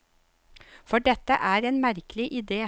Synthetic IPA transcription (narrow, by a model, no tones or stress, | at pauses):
fɔɖɛt̪əʔæːɾeːnmæɾklɪʔɪd̪eː